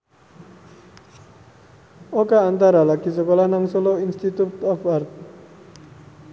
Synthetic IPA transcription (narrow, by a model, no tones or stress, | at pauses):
okaːnt̪aɾalaɡisəkolahnaŋsoloinst̪it̪ut̪ɔfart̪̚